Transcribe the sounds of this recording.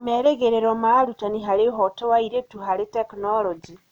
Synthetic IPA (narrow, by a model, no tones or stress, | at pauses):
meɾeɡeɾeɾomalutaniɦaliɦotowaiɾetuhaliteknolod͡ʒi